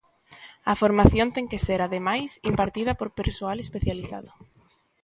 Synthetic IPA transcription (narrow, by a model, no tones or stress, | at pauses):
afoɾmaθjõnt̪eŋkeseɾaðemajsimpaɾt̪ið̞ɐpoɾpeɾsoalespeθjaliθa̰ðʊ